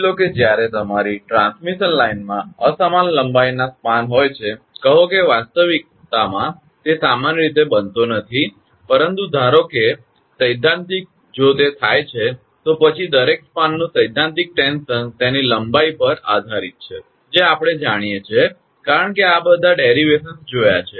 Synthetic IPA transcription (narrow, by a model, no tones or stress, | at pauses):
loked͡ʒjaɾet̪əmaɾiʈɾãnsmiʃənlainmãəsamanləmbajnaspanɦojt͡ʃʰe | kəɦokeʋast̪əʋik̚ | t̪amã | t̪esamanjəɾit̪̬ebənt̪onət̪ʰi | pəɾənt̪ud̪ʱaɾoke | səjd̪ʱːãnt̪ik̚ | d͡ʒot̪et̪ʰajt͡ʃʰe | t̪opət͡ʃʰid̪əɾekspanːũsəjd̪ʱːãnt̪ik̚ʈensənt̪eniləmbaipəɾa̰d̪ʱaɾit̪̚t͡ʃʰe | d͡ʒeapɽ̃ed͡ʒaɽ̃ijet͡ʃʰe | kaɾəɳkeabəd̪ʱːaɖeɾiʋesənsd͡ʒoja̰t͡ʃʰe